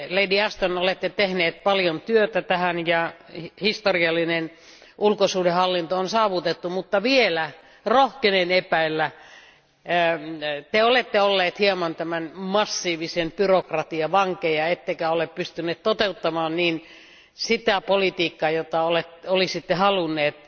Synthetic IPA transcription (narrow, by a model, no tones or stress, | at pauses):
leidiæst̪onolet̪ːet̪ehneːt̪̚pɑljont̪yøt̪æt̪æhænjɑhist̪oriɑlːinen | ulkosuːdehɑlːint̪oonsɑːʋut̪et̪ːumut̪ːɑʋielæ | rohkenenepæilːæ | t̪eolet̪ːeolːeːt̪hiɑmɑnt̪æmænmɑsːiːʋisempyrokrɑt̪iɑʋɑŋkejɑet̪ːekæoleppyst̪ynːˑeːt̪t̪ot̪eut̪ːɑmɑːnniːn | sit̪æpolit̪iːkːɑjot̪ɑolet̪olisit̪ːehɑlunːˑeːt̪